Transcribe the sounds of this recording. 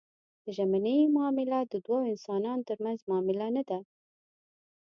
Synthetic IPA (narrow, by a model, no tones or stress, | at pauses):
d̪̥əʒamanəjmʊːmɪlad̪əd̪wɑɪnsɑnɑnt̪əɾmanzmːmɪlanad̪a